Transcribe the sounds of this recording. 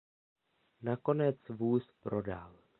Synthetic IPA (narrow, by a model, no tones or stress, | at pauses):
nako̞nɛt͡svuːspɾo̞da̰l